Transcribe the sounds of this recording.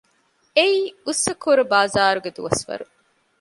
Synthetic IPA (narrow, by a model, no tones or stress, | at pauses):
eiːusːɐkoɾubaːzaːɾuɡed̪ṵʋɐsʋɐ̰ɾu